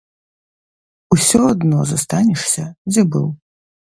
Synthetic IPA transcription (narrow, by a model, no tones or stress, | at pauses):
usʲɔɐd̪nɔzast̪anʲɛʂsʲɐd͡zʲɛbɨ̰w